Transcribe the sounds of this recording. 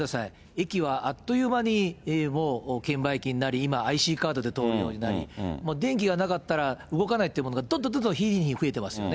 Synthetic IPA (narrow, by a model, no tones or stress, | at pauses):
d̪asai | e̞kʲiβaʔat̪ːo̞jɯ̟ːmaɲ̟imo̞ːkẽ̞mbaikʲiɲ̟inaɾʲiːmaaiɕiːkaːd̪o̞d̪e̞t̪o̞ːɾɯ̟jo̞ːɲ̟ina̰ɾʲḭmo̞ːd̪ẽ̞ŋk̬ʲiɡanakat̪ːaɾaɯ̟ɡo̞kanait̪oiɯmo̞noɡad̪õ̞nd̪od̪ond̪õçʲiːɾʲiɲiɲ̟iɸɯ̟e̞t̪e̞masɨjo̞̰ne